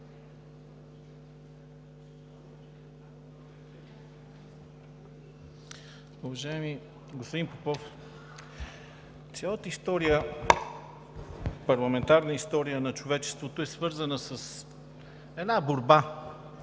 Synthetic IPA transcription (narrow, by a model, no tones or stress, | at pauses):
ʊvɐʒaɛmi | ɡospod̪inpopɔf | t̪sʲjalˠət̪əist̪ɔɾijə | pɐɾlˠɐmɛnt̪aɾnəist̪ɔɾijənɐt͡ʃovɛt͡ʃɛ̥st̪vot̪oɛsvɤɾzənəsəs | ɛnaboɾba